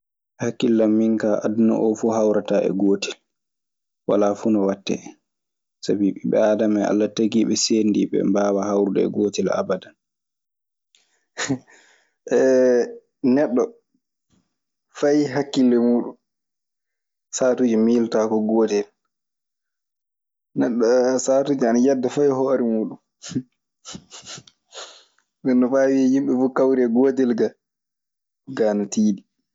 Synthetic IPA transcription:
hakːilːamːiŋkaʔadnɔ̰ʔɔfuːhawɾataʔɛ̰ɡoːtil | wa̰lafunɔwatːɛ̰ | sabiɓiɓɛaːdamɛa̰lːataɡiɓɛseːndiɓɛ̰mbaːwahawɾudɛɛ̰ɡoːtila̰badan | ʔɛ | nɛɗːɔ | fajɦakːilːɛmuːɗun | saːtud͡ʒɔmiːltakɔɡɔːtɛl | nɛɗːɔsaːtud͡ʒanajadːafajhɔːɾimuːɗun | nɛnːɔfaːwiɛjimɓɛfukawɾɛɡɔːtɛlɡa | ɡaːnatiːɗi

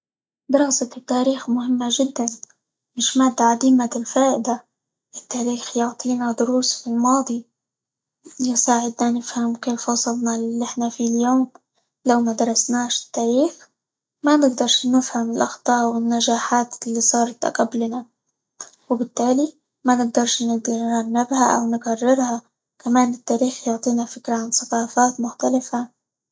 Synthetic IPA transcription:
d̪ɑɾˤɑɣsɑt̪ːaːɾiːxmʊhɪmːaʒɪd̪ːan | mɪʃmaːd̪ːaʕad̪iːmalfaːʔɪd̪a | ʔɪt̪ːaːɾiːxjʊʕt̪ˤiːnad̪ʊɾuːsfilmɑːd̪ˤi | jɪsaːʕɪd̪nanɪfhamkeːlfɑsˤɨlnɑllːʔɪħnafiljoːm | lawmad̪ɑɾˤɑsnaːʃɪ̥t̪ːaːɾiːx | manɪɡd̪ɑɾˤʃnɪfhamɪlʔɑxt̪ˤɑːwɪnːaʒaːħaːt̪lːisˤɑːɾˤɑt̪ʔa̰qablna | wɪbɪt̪ːaːli | manɪɡ̚d̪ɑɾˤʃnɪɡd̪ɑɾˤaˤnabhaʔa̰wnɪɡarˤːɪɾha | kamaːnɪt̪ːaːɾiːxjʊʕt̪ˤiːnafɪkɾaʕansaqɑːfaːt̪mʊxt̪alɪfa

